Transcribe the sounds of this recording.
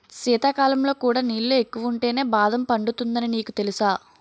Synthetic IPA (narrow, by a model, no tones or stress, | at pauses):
siːt̪aːkaːlɐmlo̞ːkuːɽaːniːɭːue̞kːuʋɐuɳʈe̞ːne̞ːbaːd̪ɐmpɐɳɖut̪und̪ɐniniːkut̪e̞lusaː